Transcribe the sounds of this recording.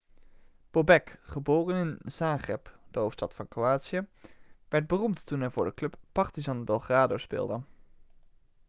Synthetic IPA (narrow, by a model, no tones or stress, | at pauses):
b̥obɛkχəboːrənɪnz̥aːχrɛpd̥əɦowftstɑtfɑnkroaːtsiəʋɛɹd̚bərumttunɦɛjvʊːɹdəklɵpːɑɹtizɑnbɛlˠχraːdospɪ̰ːlˠdə